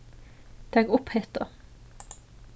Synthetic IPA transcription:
d̪̥æːɡʊpheːt̪̚ɑ

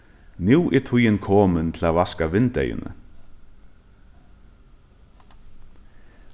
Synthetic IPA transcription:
njuwʔɛɾt̪ʰujɪnkʰɔːmɪnt̪ʰɪlavaskavɪnt̪ḛjɪ̰nʏ̰

